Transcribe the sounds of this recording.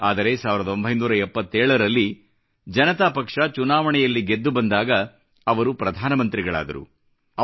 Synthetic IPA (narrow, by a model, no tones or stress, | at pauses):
aːd̪ɐɾe̞saːʋiɾɐd̪ɐo̞mbʱɐjnuːɾɐɛpːɐt̪ːeːɭɐɾɐlːi | d͡ʒɐnɐt̪apɐkʂɐt͡ʃunaːʋɐɳɛjɐlːiɡe̞d̪ːubɐnd̪aːɡɐː | ʋɐɾupɾɐd̪ʱaːnɐmɐnt̪ɾiɡɐɭa̰ːd̪ɐ̰ɾṵ | ɐ